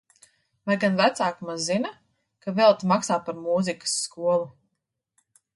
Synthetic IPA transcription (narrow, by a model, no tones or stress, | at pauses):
vajɡanvæt̪saːkmazːina | kavɛlˠt̪maksaːpaɾmuːzikə̥sːkuɔlˠu